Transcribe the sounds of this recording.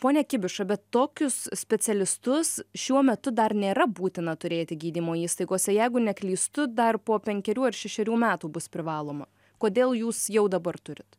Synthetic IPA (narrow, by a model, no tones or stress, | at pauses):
poːnʲɛkʲɪbʲɪʃɐbʲɛt̪ːoːkʲʊssʲpʲɛt̪sʲɛlʲɪst̪ʊsʃʲuɔmʲɛt̪ʊd̪ɐrnʲeːɾɐbuːt̪ʲɪnɐt̪ʊɾʲeːt̪ʲɪɡʲiːd̪ʲiːmoːiːst̪ɐɪɡoːsʲɛjɛɪɡʊnʲɛkʲlʲiːst̪ʊd̪ɐrpoːpʲɛŋʲkʲɛɾʲuːɐrʃʲɛʃʲɛɾʲuːmʲæːt̪uːbʊspʲɾʲɪʋɑːlˠoːmɐ | koːd̪ʲeːlˠjuːsjɛʊd̪ɐbɐrt̪ʊɾʲɪt̪